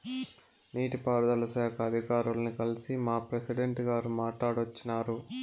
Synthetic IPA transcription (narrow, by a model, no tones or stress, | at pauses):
niːʈipaːɾd̪ɐlɐsaːkʰɐːd̪ʱikaːɾulɐnikɐlisimaːpɾesiɖeɳʈɡaːɾumaːʈlaːɽʋɐt͡ʃːinaːɾu